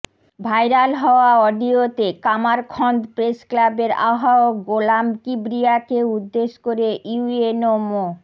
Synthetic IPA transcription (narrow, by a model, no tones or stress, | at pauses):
bʱajɾalɦɔoaɔɖiot̪ekamaɾkʰɔnd̪pɾesklabeɾa̰ɦaoɡolamkibɾiakeud̪ːeʃkoɾejuenomo